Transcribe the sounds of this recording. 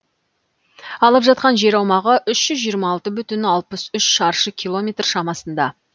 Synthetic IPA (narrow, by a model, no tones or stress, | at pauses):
ɑlˠəpʒɑt̪̚qɑnʒe̞ɾɑwmɑʁəʔʏʃʒ̥ʏzʒijəɾmɑːlˠt̪əbʏt̪ɪnɑlˠpəsʏʃʃɑɾʃəkʲʰilˠo̞mʲe̞t̪rʃɑmɑsənd̪ɑ